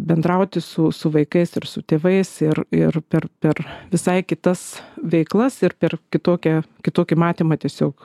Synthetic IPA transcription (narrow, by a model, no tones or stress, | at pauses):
bʲɛnd̪ɾɐʊt̪ʲɪsʊsʊʋɐɪkɐɪsɪrsʊt̪ʲeːʋɐɪsɪrɪrpʲɛrpʲɛrʋʲɪsɐɪkʲɪt̪ɐsʋʲɛɪklˠɐsɪrpʲɛrkʲɪt̪oːkʲɛkʲɪt̪oːkʲɪmɑːt̪ʲiːmɐt̪ʲiɛsʲoːk